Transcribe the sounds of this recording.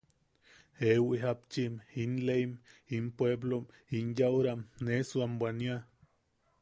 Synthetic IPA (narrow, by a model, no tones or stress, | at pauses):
hewiɦap̚t͡ʃiminleimimpweblom | injawɾamnesuambʷwania